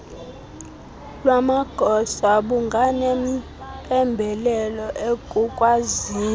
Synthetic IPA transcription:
lwamaɡ̥ʱɔsaɓuŋɡʱanɛm̩ | pʼɛmbʱɛlɛlɔʔekʼukʼwaziː

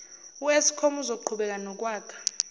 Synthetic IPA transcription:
uesi̥kʰomuzouǃʰuɓɛk̬ʼanɔk̬ʼwaːkʰḁ

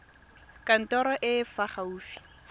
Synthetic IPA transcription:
kʼan̩tɔɾɔʔɪfaχauːfi̥

